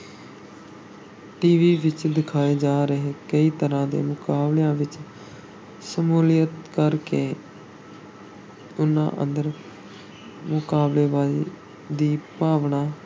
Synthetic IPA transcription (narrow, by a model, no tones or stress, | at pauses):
ʈiːʋiːʋɪt͡ʃd̪ɪkʰaːeːd͡ʒaːɾəɦeːkəiːt̪əɾãːd̪ḛːmʊkaːbleãːʋɪt͡ʃ | səmuːlɪjət̪kəɾkeː | ʊnã̰ːʔə̰̃nd̪əɾ | mʊkaːbleːʋaːziː | d̪iːpaːʋɳaː